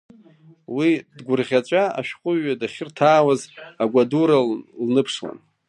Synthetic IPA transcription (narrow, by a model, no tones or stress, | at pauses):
widɡʷʊrʁʲat͡ɕʷʼaa̰ʃᶣqʼʊɥːadaχʲɪrtʰaːwazaɡʷaduɾalnɨpʰʂwa̰n